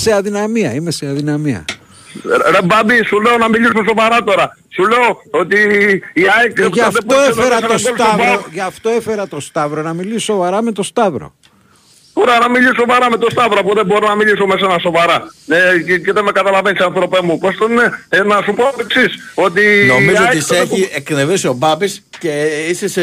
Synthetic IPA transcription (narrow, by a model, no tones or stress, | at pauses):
seɐðinɐmiɐime̞seɐðinɐmiɐ̰ | ɾebɐbisuleo̞nɐmilisumes̬o̞vɐɾɐt̪o̞ɾɐ | sule̞oot̪iːɐekʝɐfet̪oefeɾɐt̪osst̪voʝɐft̪o̞efe̞ɾɐt̪o̞st̪ɐvɾo̞nɐmilisso̞vɐɾɐme̞t̪o̞st̪ɐvɾo̞̰ | boɾɐnɐmilisso̞vɐɾɐme̞t̪o̞st̪ɐvɾoɐpuðebo̞ɾonɐmilisomes̬enɐso̞vɐɾɐeceðemekɐt̪ɐlɐve̞nisiɐ̃nθɾo̞pemupost̪onenɐsupoeksiso̞t̪ino̞mizooiseçiekneveso̞bɐbisceises